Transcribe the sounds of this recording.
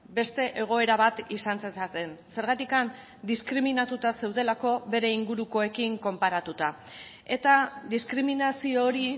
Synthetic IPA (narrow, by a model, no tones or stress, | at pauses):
be̞st̪e̞ʔe̞ɣ̞o̞e̞ɾaβ̞at̪isant͡sesat̪e̞nse̞ɾɣ̞at̪ikan | d̪iskɾiminat̪ut̪ase̞wðe̞lako̞βe̞ɾe̞iŋɡuɾuko̞e̞kiŋko̞mpaɾat̪ut̪a | e̞t̪ad̪iskɾiminasio̞ːɾi